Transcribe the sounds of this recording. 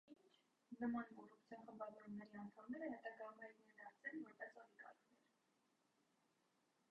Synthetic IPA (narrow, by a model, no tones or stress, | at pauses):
innt͡ʃʰ | nəmɑnkɔrupʰt͡sʰjɔnχəmbɑvɔɾumnɛɾiɑnt̪ʰɑmnɛɾəɦɛt̪ɑɡɑmɛɾnuɛnɑɾt͡sɛnvɔɾpɛsɔnikɑ̰ɾkʰvɛɾ